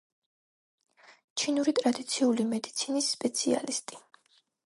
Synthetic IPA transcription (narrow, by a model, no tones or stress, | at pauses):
t͡ʃʰinuɾit̪ʼɾad̪it̪sʰiulimɛd̪it̪sʰinisːpʼɛt̪sʰia̰list̪ʼi̥